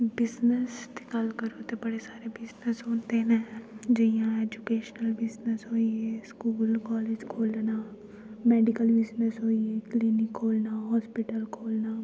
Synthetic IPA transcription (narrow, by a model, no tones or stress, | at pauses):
bɪznəst̪e̥kalkəɾoːt̪ebəɽesaːɾebɪznəsɦoːnt̪enɛd͡ʒɐjãeːd͡ʒukeːʃnəlbɪznəsɦoːieskuːlkɔːled͡ʒkʰoːlna | mɛːɖikəlbɪznəsɦoːieklinɪkɦoːlnaːɦɔːspiʈəlkʰoːlnaː